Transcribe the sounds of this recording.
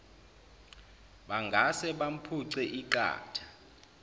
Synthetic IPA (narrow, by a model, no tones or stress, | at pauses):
ɓaŋɡʱasɛɓam̩pʰuǀɛʔiǃa̰ːtʰḁ